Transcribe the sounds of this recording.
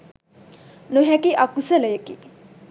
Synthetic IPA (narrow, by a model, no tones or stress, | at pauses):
nuɦækiʔakusələjəki